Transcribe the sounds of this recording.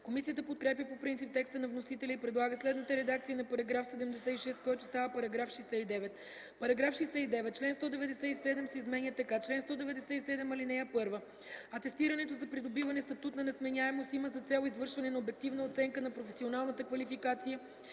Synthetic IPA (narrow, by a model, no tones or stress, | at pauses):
komisijət̪̬əpot̪kɾɛp̬jəpopɾint̪sip̚t̪ɛkst̪ənɐvnosit̪ɛlʲəipɾɛd̪lˠaɡəslɛd̪nət̪əɾɛd̪ak̚t̪sijənɐpɐɾɐɡɾafsɛd̪ɛmd̪ɛsɛiʃɛst̪̚kɔjt̪o̥st̪avəpɐɾɐɡɾafʃɛsɛid̪ɛvɛt̪ | pɐɾɐɡɾafʃɛjsɛid̪ɛvɛt̪̚t͡ʃlɛnst̪ɔd̪ɛvɛd̪ɛsɛisɛd̪ɛmsɛizmɛnʲjət̪ɐkat͡ʃlɛnst̪ɔd̪ɛvɛd̪ɛsɛisɛd̪ɛmɐlinɛjəpɤɾvə | ɐt̪ɛst̪iɾɐnɛt̪ozɐpɾid̪obivɐnɛst̪ɐt̪ut̪nɐnɛsmɛnʲaɛmosiməzɐt̪sɛlˠoizvɤɾʃvɐnɛnɐobɛk̚t̪ivnəot̪sɛŋkənɐpɾofɛsionalˠnət̪əkvɐlifikat̪sijə